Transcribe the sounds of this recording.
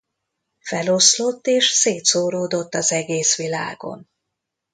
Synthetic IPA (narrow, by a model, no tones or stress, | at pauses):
fɛlo̞slo̞t̪ːeːʃseːt̪soːɾoːd̪o̞t̪ːɒzɛɡeːsʋila̰ːɡo̞̰n